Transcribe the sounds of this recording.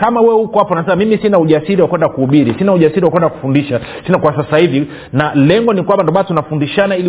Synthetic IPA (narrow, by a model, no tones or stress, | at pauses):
kamawɛhukɔapɔnasɛmamimisinauʄasiɾiwakwɛndakuuɓiɾisinauʄasiɾiwakwɛndaku̥fundiʃa | sinakwasasahivi | nalɛŋɡɔnikwambandɔɓantunafundiʃanaili